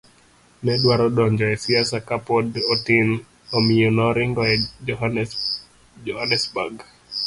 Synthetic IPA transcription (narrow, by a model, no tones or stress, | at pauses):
nɛɗwaɾɔɗɔɲd͡ʒaɛsiasakapɔdɔtin | ɔmiɔnɔɾiŋɡɔɛɔɦa | d͡ʒɔhanɛsbaɡ